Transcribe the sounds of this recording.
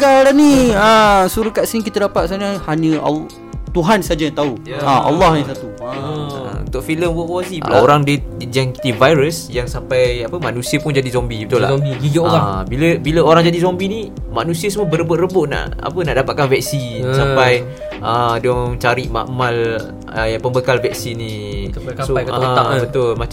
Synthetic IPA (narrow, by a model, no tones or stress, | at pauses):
kaɾanĩəsuɾukaʔsiikit̪adapat̪saɲəhaɲə̃a̰l | t̪uɦansad͡ʒajãt̪auaʔa̰lːɔhɲə̃s̬at̪ṵ | ṵnt̪ʊʔfiləmwɔʔwasibla̰oɾaŋdəjaŋki̥t̪ivajɾəsjaŋsampajapəmanũsiəpʊnd͡ʒadizombibət̪ulla̰id͡ʒiɡabiləbiləoɾaŋd͡ʒadizombini | maʔnũsiəsəmuəbəɾəbʊʔrəbʊʔna̰ʔa̰pənaʔdapat̪̚kanvɛk̚sisapaj | ʔədɔŋt͡ʃaɾiʔma̰ʔmal | əjapəmbəkalvɛk̚sinĩ | sobət̪ʊlma